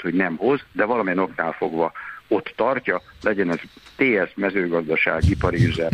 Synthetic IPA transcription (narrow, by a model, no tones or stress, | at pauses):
t̪ho̞ɟnɛmɦo̞zd̪ɛvɒlɒmijɛno̞knaːlfo̞ɡʋɒo̞t̪ːɒrcɒlɛɟɛnɛzt̪eːɛʃmɛzøːɡɒzd̪ɒʃa̰ːɡipɒɾizɛ